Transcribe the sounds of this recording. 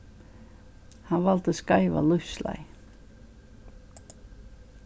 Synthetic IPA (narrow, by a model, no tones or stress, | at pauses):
hanvalt̪əskaɪva̰lʏsla̰ɪ